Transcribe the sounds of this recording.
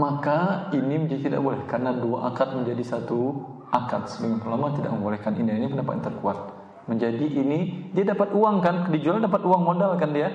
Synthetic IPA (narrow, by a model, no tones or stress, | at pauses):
makainiməɲd͡ʒadit̪ida̰ʔbolɛhkarnaduaʔakat̪̚məɲd͡ʒadisat̪u | akat̪̚sədəŋanpərlamat̪ida̰ʔ̚məmbolɛhkanʔḭniainipəndampa̰a̰nt̪ərkuat̪̚ | məɲd͡ʒadiʔːnidiadapat̪uaŋkandid͡ʒualdapat̪uaŋmodalkandia